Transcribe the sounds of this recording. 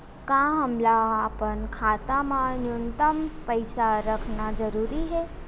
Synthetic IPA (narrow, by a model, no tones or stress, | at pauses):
kãɦəmlaːpənkʰat̪amãnjunt̪əmpəjsaɾəkʰnad͡ʒəɾuɾiɦe